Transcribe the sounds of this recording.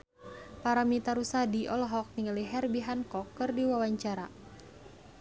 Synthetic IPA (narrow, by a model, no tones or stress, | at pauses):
paɾamit̪aɾusadiʔɔlɦɔk̚niŋəliɦɛrbiɦankɔkːɨrdiwawaɲt͡ʃaɾa̰